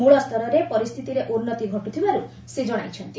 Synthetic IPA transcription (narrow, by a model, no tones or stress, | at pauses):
muɭɔst̪ʰɔɾɔɾepɔɾist̪ʰit̪iɾeʔunːɔt̪iɡʱɔʈut̪ʰibaɾu | sed͡ʒɔɽ̃ajt͡ʃʰɔnt̪i